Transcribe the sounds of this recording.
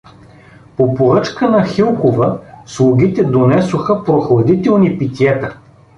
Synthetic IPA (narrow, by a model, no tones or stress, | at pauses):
popoɾɤt͡ʃkənɐxilˠxovəslˠʊɡ̟it̪ɛd̪onɛsoxəpɾoxlˠɐd̪it̪ɛlˠnipit̪ʲiɛt̪ə